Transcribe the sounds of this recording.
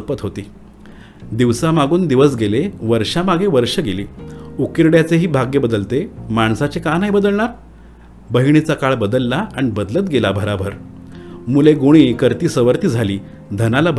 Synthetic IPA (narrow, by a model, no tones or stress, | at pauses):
pət̪ɦot̪iː | d̪iʋsamaɡuːnd̪iʋəsɡeleʋəɾʂamaɡeʋəɾʂəɡeliːukiɾɽjat͡seɦiːbʱaɡebəd̪əlt̪emaɳ̃sat͡ɕekanaɦibəd̪əlɳ̃aɾ | bəɦiɳ̃it͡sakaɭbəd̪əlːaaɳ̃ibəd̪lət̪ɡelabʱəɾabʱəɾ | muleɡoɽ̃iːkəɾt̪iːsəʋəɾt̪iːd͡zʱaliː | d̪ʱənalabʱ